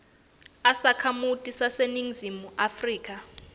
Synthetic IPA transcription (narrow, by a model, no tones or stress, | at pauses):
asakʰamutʼisaseniŋzimuʔafriːk̬ʼa